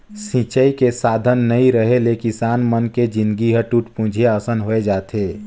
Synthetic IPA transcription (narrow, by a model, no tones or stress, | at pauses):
sĩt͡ʃəikesaːd̪ʱənːəĩɾəɦelekisaːnmənked͡ʒɪ̃nd̪ɡiɦəʈuʈpũd͡ʒʱieəsənɦoed͡ʒaːt̪ʰeː